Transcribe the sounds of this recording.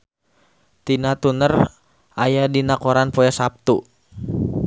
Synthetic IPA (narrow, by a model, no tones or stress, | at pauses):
t̪inat̪unər | ʔajadinakɔɾanpojasap̚t̪u